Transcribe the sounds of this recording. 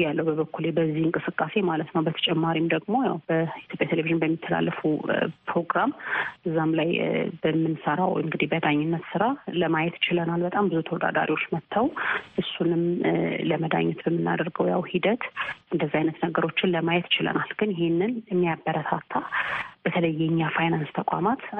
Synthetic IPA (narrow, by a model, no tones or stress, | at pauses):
jalːəwbəβəkːulebəzːihɨŋkʼɨsɨkʼːase̞malət̪nəwbət̪ʰə̥t͡ʃʼɛmːaɾimd̪əɡmo̞ja̰wbəit̪ʰjo̞pʼjat̪ʰeleviʒɨnbəmːit̪ʰːəla̰lːəfəpɾo̞ɡɾamɨzːamlajbəmːɨnsəɾa̰wɔ̰jʔɨŋɡɨd̪ibəd̪aɲːɪnːət̪sɨɾaləmajɛt̪ɪt͡ʃɪlənalbət̪ʼambɨzut̪ʰəwɔd̪a̰d̪a̰ɾiwo̞t͡ʃːmət̪ʰːawʔɨsːunɨmləməd̪a̰ɲːɛt̪bəmːɨnːa̰d̪əɾɡəwja̰whid̪ət̪ʔɨnd̪əzːiajnət̪nəɡəɾo̞t͡ʃːɪnləmajɛt̪ɪt͡ʃɪlə̰nʔalɡɨnjɪhenːɨnɨmːijabːəɾət̪ʰat̪ʰːab̥ət̪ʰələjːɛɲːafajnanst̪ʰəkʷʼa̰mat̪